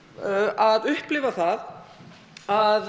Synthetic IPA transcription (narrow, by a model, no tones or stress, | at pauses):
aðʏhplɪːvaθað | að